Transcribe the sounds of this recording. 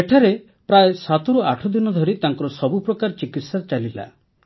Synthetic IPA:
eʈʰaɾe | pɾaesat̪ɔɾuaʈʰɔd̪inɔd̪ʱɔɾit̪aŋkɔɾɔsɔbupɾɔkaɾt͡ʃikit̪sat͡ʃalila̰

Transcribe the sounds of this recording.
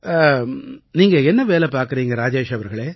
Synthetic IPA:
niːŋɡɐɛnːɐʋeːlɛpaːɾkɪɾiːŋɡɐɾaːd͡ʒeːʃɐʋɐɾɣɐɭeː

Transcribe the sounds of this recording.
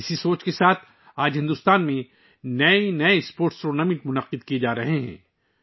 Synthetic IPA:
ɪsisoːt͡ʃkesaːt̪ʰ | aːd͡ʒɦɪ̃nd̪ʊst̪aːnmẽ | nɐenɐespoːɾʈsɾoːnɐːmɪʈmʊnɐqɪd̪̚kied͡ʒaːɾɐɦeɦɛ̰̃ː

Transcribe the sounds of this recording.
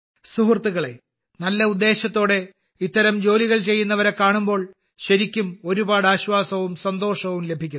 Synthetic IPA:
suɦrt̪ːuɣɐɭe̞̰ | nɐlːɐud̪ːe̞ːɕɐt̪ːo̞ːɽe̞ | it̪ːɐɾɐmd͡ʑo̞ːliɣɐɭt͡ɕe̞jːunːɐʋɐɾe̞kːaːɳumbo̞ːɭ | ɕɐɾikʲːumo̞ɾubaːɽaːɕʋaːsɐʋumsɐnd̪o̞ːʂɐʋumle̞bʱikʲːu

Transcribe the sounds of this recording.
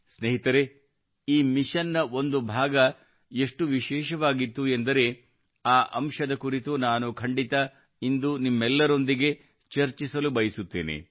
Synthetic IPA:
sneɦit̪ɐɾe̞ | iːmiʂɐnːɐo̞nd̪ubʱaːɡɐ | e̞ʂʈuʋiʃɛːʃɐʋaːɡit̪ːuend̪ɐɾe̞ | aːʔɐmʂɐd̪ɐkuɾit̪unaːnukʰɐɳɖit̪ɐ | ind̪unimːɛlːɐɾo̞nd̪iɡe̞ | t͡ʃɐɾt͡ʃisɐlubɐjisut̪ːḛːnḛ

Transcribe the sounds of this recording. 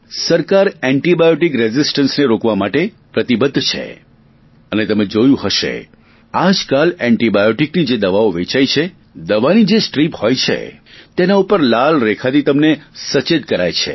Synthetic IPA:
səɾkaɾɛɳʈibajoʈikɾɛzisʈənsneɾokʋamaʈe | pɾət̪ibəd̪ʱːt͡ʃʰḛ | ənet̪əmẽd͡ʒojũɦəʃḛ | ad͡ʒkalɛɳʈibajoʈiknid͡ʒed̪əʋaoʋet͡ʃajt͡ʃʰe | d̪əʋanid͡ʒesʈɾiphojt͡ʃʰḛt̪enaupəɾlalɾekʰat̪it̪əmnesət͡ʃed̪̚kəɾa̰jt͡ʃʰḛ

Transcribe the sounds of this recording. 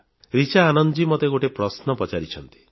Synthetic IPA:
ɾit͡ʃaːnɔnd͡ʒimɔt̪eɡoʈepɾɔsnɔpɔt͡ʃaɾit͡ʃʰɔnt̪i̥

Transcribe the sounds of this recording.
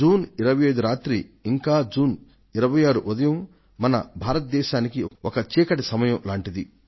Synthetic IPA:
d͡ʒuːniɾɐʋɐjɐjd̪uɾaːt̪ɾiːŋkaːd͡ʒuːn | iɾɐʋɐjaːɾuʔud̪ɐjɐm | mɐnɐ̰bʱaːɾɐt̪̚d̪ɛːʃaːnikiɔkɐt͡ʃiːkɐʈisɐmɐjɐ̃mlaːɳʈid̪i

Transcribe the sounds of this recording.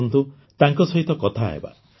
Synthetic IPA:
nt̪u | t̪aŋkɔsɔɦit̪ɔkɔt̪ʰaɦḛba̰

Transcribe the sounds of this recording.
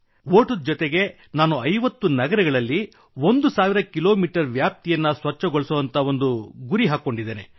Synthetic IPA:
ʋoːʈud̪d͡ʒɔt̪eɡe̞ | naːnuɐjʋɐt̪ːunɐɡɐɾɐɡɐɭɐlːi | ond̪usaːʋiɾɐkilo̞ːmiːʈɐɾʋjaːp̚t̪ijɐnːɐsʋɐt͡ʃːɐɡoɭsɐʋɐnt̪ɐo̞nd̪uɡuɾiɦaːko̞ɳɖid̪eːne̞

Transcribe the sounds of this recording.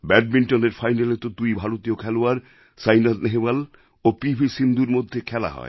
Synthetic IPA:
bɛɖ̚miɳʈoneɾfajnalet̪od̪ujbʱaɾot̪ijokʰɛloaɾ | sajnaɾneɦebal | opibʱisind̪uɾmod̪ʱːekʰɛla̰ɦɔ̰e

